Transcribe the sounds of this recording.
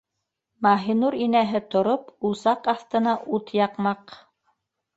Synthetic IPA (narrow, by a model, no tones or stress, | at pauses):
mɑɦinuɾinæɦɘt̪ŏɾopusɑqɑθt̪ɤ̆nɑʔut̪jɑqmɑq